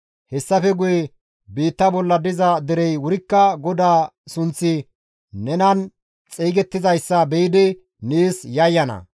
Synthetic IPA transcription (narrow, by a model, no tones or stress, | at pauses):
hɛsːɐfɛɡʊjɛ | biːt̪ːɐbɔlːɐd̪ɪzɐd̪ɛɾɛjwʊɾɪkːɐɡɔd̪aːsʊnt͡sːɪ | nɛnɐn | t͡sʼiːɡɛt̪ːɪzɐjsːɐbɛjɪd̪ɪ | niːsjɐjːɐnɐ̰